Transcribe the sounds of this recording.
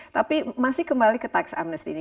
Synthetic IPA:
t̪apimasɪhkəmbalikət̪aksa̰mnəst̪ini

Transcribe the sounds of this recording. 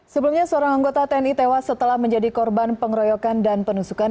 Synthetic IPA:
səbəlumɲasəoɾaŋaŋɡot̪at̪ɛɛnit̪ewasːət̪əlahməɲd͡ʒadikɔrbanpəŋɾɔjɔkandanpənusuka

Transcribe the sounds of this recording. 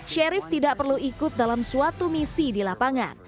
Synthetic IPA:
ʃɛɾɪft̪idaʔpərluikʊt̪̚dalamsuat̪umisidilapaŋa̰n

